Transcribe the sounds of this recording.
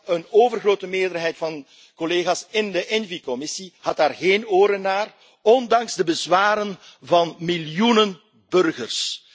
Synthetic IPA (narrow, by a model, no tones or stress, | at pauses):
ənoːvərɣroːtəmɪːrdərɦɛjtfɑn | kɔleːɣaːsɪndəʔɛnvikɔmɪsihɑtaːrɣeːnoːɾənaːr | ɔndɑŋzdəbəzwaːɾənvɑnmiljunən | b̥ɵrɣərs